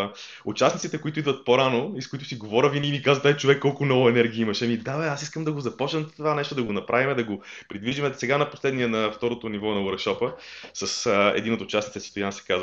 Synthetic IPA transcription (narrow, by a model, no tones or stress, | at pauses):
ut͡ʃasnit̪sit̪ɛkoit̪ʊid̪vət̪̚poɾanoiskoit̪ʊsiɡovɔɾʲəvinimikazvət̪ait͡ʃovɛkːɔlˠkʊnɔvʊɛnɛɾɡʲiimɐʃɛmid̪avɛasiskəmd̪ɐɡozɐpɔt͡ʃnəmt̪ovanɛʃt̪od̪ɐɡonɐpɾavimɛd̪ɐɡopɾid̪viʒimɛsɛɡanɐposlɛd̪niɛnɐft̪ɔɾot̪onivɔnɐwəɾkʃɔpəsəsɛ̰d̪inot̪ʊt͡ʃasnit̪sɛsst̪ojansɛ̥kazv